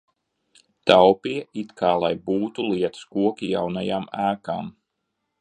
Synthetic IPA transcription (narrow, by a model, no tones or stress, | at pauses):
t̪awpiɛit̪kʰaːlˠajbuːt̪ulˠiɛt̪ɨ̥skuɔkijawnajamæːka̰ːm